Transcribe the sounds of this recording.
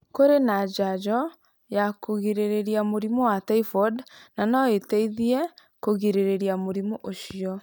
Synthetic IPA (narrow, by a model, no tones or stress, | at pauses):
koɾenad͡ʒad͡ʒɔ | jakoɣiɾeɾeɾiamoɾimɔwatɛifɔdnanɔetɛiðiɛ | koɣiɾeɾeɾiamoɾimoʔoʃiɔ